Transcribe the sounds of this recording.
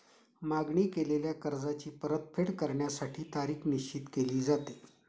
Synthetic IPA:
maɡɳiːkeleljakəɾd͡zat͡ɕiːpəɾət̪̚fʰeɽkəɾɳjasaʈʰiːt̪aɾiːxniɕt͡ɕit̪keliːd͡zat̪e̥

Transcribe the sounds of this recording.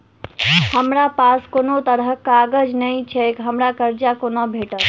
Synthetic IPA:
həmɾapaskoːnot̪əɾəɦkaɡəd͡ʒnəit͡ʃʰekɦəmɾakəɾd͡ʒakonobʱeʈət̪

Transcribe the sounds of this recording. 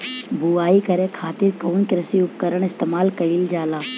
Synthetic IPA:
buaːikɐɾẽkʰaːt̪ɪɾkoːnkɪɾɐsiʊpkəɾəɽ̃ɪst̪eːmaːlkɐɾild͡ʒaːlaː

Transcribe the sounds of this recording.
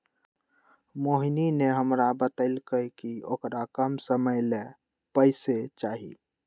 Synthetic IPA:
moɦinineɦəmɾabət̪əɪlkəjkiokɾakəmsəməjle | pəɪset͡ʃaːɦḭ

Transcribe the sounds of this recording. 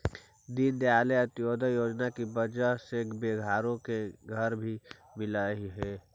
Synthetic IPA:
d̪ind̪aːleɐt̪joːd̪ʱəjoːd͡ʒnakibɐd͡ʒaɦsekbeːɡʱaːɾõkeɡʱɐɾbʱi | mɪlaɦiɦɛː

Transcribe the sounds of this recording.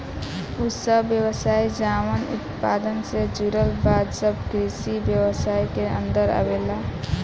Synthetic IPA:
usəbjəwəsaːid͡ʒaːmənʊ̰t̪paːd̪ənsed͡ʒuɾəlbaːd̪səb̚kɾisibjəwəsaːikeə̰̃nd̪əɾə̰bela

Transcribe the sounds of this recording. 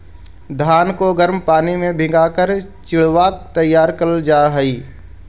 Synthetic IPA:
d̪ʱaːnkoɡəɾmpaːnimẽbʱɪ̃ɡaːkəɾt͡ʃɪɭ̤ʋaːk̚t̪əjːaːɾkəld͡ʒaːɦəiː

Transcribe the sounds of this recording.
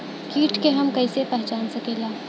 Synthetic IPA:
kiːʈkeɦɐmkɐɪsepɛɦt͡ʃaːnsɐkeːlaː

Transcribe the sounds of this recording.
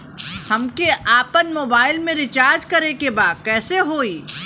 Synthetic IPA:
hɐmkeʔaːpənmoːbaːɪlmẽɾɪt͡ʃaːɾd͡ʒkɐɾekebaːd̪̚kɛːseɦoːiː

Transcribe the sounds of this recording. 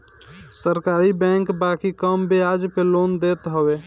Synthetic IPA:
səɾkaɾibɛ̃ŋkbakikəmbʱead͡ʒpelond̪et̪ɦəbe

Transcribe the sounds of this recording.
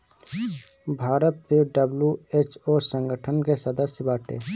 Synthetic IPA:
bʱaːɾət̪̚piɖəbljuet͡ʃosə̃ŋɡəʈʰənkesəd̪əsjəbaːʈʰḛ

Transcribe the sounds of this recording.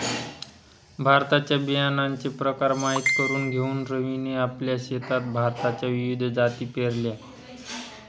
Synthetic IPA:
bʱaɾt̪at͡ɕjabijanaɲt͡sepɾəkaɾmaɦit̪kəɾuːnɡʱeuːnɾəʋineapljaɕet̪at̪̚bʱaɾt̪at͡ɕjaʋiʋid̪ʱd͡zat̪iːpeɾlja

